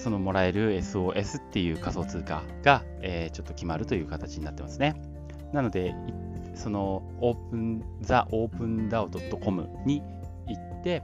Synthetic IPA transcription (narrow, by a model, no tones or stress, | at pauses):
so̞no̞mo̞ɾae̞ɾɯ̟e̞sɨo̞ːʔe̞sɨ̥t̪ːe̞jɯ̟ːkaso̞ːt͡sɨːka | ɡ̥a | eːt͡ɕo̞t̪ːokʲimaɾɯ̟t̪o̞jɯ̟ːkat̪at͡ɕiɲinat̪ːe̞masɨne̞ | nano̞d̪e̞i | so̞no̞ | oːpɯ̟̃nzaʔo̞ːpɯ̟̃nd̪aɯd̪o̞t̪ːo̞ko̞mɯ̟̰ | ɲ̟i | it̪ːe̞